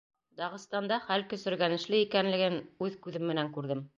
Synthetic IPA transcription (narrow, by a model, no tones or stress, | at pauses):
d̪ɑʁɤ̆st̪ɑnd̪ɑχælkɵ̆sɵ̆ɾɡænɘ̆ʃlɘikænlɘ̆ɡɘnʉðkʉðɘmːɘ̆næŋkʉɾðɘm